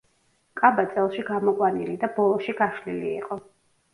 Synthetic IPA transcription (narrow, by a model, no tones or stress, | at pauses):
kʼabat̪sʼɛlˠʃiɡamɔkʼwanilid̪abɔlˠɔʃiɡaʃlilḭːqʼɔ